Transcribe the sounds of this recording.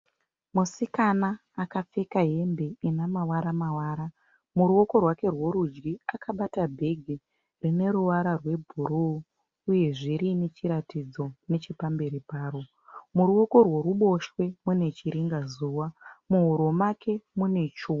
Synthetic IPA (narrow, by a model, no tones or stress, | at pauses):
musikanaː | kap͡fe̞kaɦe̞mbe̞inamawaɾamawaːɾa | muɾuo̞ko̞rwake̞rwo̞ɾud͡ʒɡiakaɓatabʱe̞ɡʱi | rine̞ɾuʋaɾarwe̞bʱuɾu | uje̞ʐiɾinet͡ʃiɾatid͡zo̞ne̞t͡ʃepambe̞ɾipaːro | muɾuo̞ko̞rworuɓo̞ʃwe̞mune̞t͡ʃiɾiŋɡazuːwamuɦuɾomakʰe̞mune̞t͡ʃu